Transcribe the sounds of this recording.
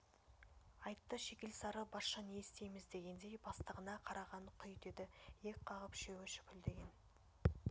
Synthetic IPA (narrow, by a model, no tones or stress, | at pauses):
ɑjt̪ːəʃe̞kʲe̞lsɑɾəbɑɾʃɑniest̪e̞jmɪzd̪e̞ɡʲe̞nd̪e̞jbɑst̪əʁənɑqʰɑɾɑʁɑɴqʰʏjd̪e̞d̪ɪje̞kʲqʰɑʁəpʃewɪʃʏ̥pʲʰɪld̪e̞ɡʲe̞n